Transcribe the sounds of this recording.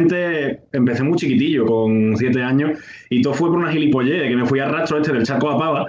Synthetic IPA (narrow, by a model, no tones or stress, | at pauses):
nt̪e̞empe̞θemut͡ʃikit̪iʎoko̞ŋsje̞t̪e̞aɲos | it̪ofwe̞p̬oɾunaɦilipo̞ʎe̞ekemefwiarat̪ɾoet̪eelt͡ʃakoapaβa